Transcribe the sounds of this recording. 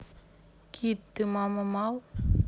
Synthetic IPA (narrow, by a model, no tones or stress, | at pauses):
kʰit̪ːɨmamamaw